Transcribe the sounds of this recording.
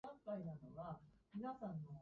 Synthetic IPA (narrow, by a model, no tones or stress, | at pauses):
ãŋkainano̞ɡamʲinasãnːo